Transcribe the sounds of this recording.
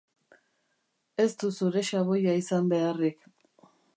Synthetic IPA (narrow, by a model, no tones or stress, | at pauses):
e̞st̪usuɾe̞ʃaβo̞jaisambe̞arik